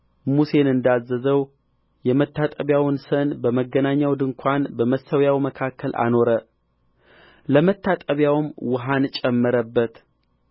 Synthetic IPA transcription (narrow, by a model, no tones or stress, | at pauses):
muse̞nɨnd̪azːəzəw | jɛmət̪ʰːat̪ʼəβjawnsənbəməɡːənaɲːawd̪ɨŋkʷʰanbəməsəwjawməkʰakʰːəlʔa̰no̞ɾə | ləmət̪ʰːat̪ʼəβjawmwʊɦant͡ʃʼɛmːɨɾəbːət̪